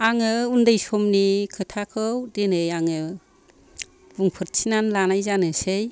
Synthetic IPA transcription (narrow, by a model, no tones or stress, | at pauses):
aŋɯundɯjsɔmnikʰɯtʰakʰɯwdenɯjaŋɯ | buŋpʰɯt̚sʰinanlanajzanɯsej